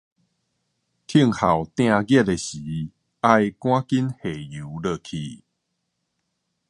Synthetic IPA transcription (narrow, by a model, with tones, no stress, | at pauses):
t̪ʰi˦˥˧ŋha˨˩wt̪j̃ã˥˧ɡjɛ˦˧t̚e˨ɕiː˨˦ | a˧jkw̃ã˦ki˦nhe˨˩ju˨˦lə˧˨kʰi˧